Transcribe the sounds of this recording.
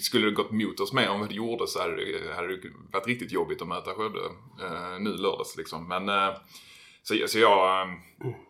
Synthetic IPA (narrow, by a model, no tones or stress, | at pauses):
skɵlːəd̪ɛɡɔt̪ːmuːt̪ɔsmeːɾɛnvad̪ɛjuːʁd̪əsɔhad̪ədɛ̰had̪ːəd̪ɛvaʈ̪ːɾɪk̚t̪ɪt̪jɔbːɪt̪ɔmœːt̪aɧɛːvd̪ə̰ | nʉ̟ːlœːd̪aslɪksɔmːɛn | sɔsɔjɑːɡ